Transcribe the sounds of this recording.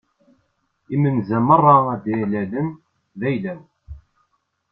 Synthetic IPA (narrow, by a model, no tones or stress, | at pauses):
imənzæmərˤːɑæd̪ilæləm | ðæjlæw